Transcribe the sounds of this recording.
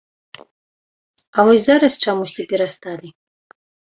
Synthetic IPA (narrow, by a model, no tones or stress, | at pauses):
ɐvɔsʲzaɾɐst͡ʂamusʲt͡sʲipʲɛɾast̪alʲi